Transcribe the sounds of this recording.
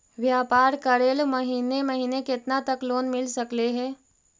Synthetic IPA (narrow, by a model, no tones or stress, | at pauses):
ʋjaːpaːɾkɐɾeːlmɐɦiːnemɐɦiːnekɪt̪nat̪ɐkloːnmɪlsɐkleɦɛ̃ː